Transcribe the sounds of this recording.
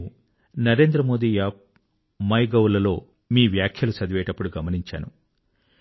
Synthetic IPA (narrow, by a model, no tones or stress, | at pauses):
nɐɾe̞ːnd̪ɾɐmo̞ːd̪iːjaː | mɐjɡɐwlɐlo̞ː | miːʋjaːkʰjɐlusɐd̪iʋɛːʈɐpːuɽuɡɐmɐniɲt͡ʃa̰ːnṵ